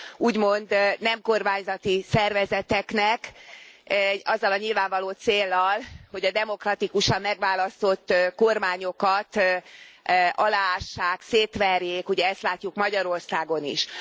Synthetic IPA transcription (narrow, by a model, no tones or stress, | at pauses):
uːɟmo̞nd̪nɛmko̞rmaːɲzɒt̪isɛrvɛzɛt̪ɛknɛk | ɒzːɒlɒɲilvaːɱvɒloːt̪seːlːɒlho̞ɟɒd̪ɛmo̞krɒt̪ikuʃɒmːɛɡʋaːlɒst̪o̞t̪ːko̞rmaːɲo̞kɒt̪ | ɒlaːaːʃːaːkseːt̪ʋɛrjeːkuɟɛɛst̪laːcːukmɒɟɒɾo̞rsaːɡo̞nḭʃ